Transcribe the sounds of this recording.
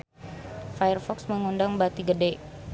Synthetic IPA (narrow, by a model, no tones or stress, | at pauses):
fajərfɔksməŋundaŋbat̪iɡədɛ